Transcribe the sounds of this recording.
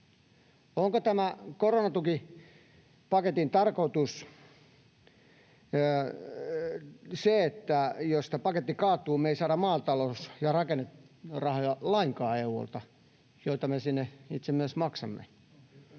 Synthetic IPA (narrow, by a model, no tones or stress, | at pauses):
oŋkot̪æmækoronɑt̪uki | pɑket̪int̪ɑrkot̪us | seet̪ːæjost̪ɑpɑket̪ːikɑːt̪ːˑuːmeisɑːɾɑmmɑːt̪ɑlosjɑrɑkenːet̪rɑhojɑlɑiŋkɑːeuo̰lt̪ɑ | joit̪ɑmesinːeit̪semyøsmɑksɑmːḛ